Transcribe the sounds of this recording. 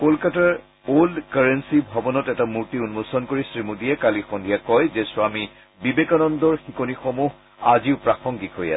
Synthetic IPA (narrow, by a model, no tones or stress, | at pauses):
kolkataɹ | olkaɹensibʱɔbɔnɔtɛtamuɹtiunmosɔnkoɹisɹimudijɛkalixondʱijakɔjzeswami | bibekanɔndɔɹxikonixɔmuɦ | aziʊpɹaxɔŋɡikɦoja̰sɛ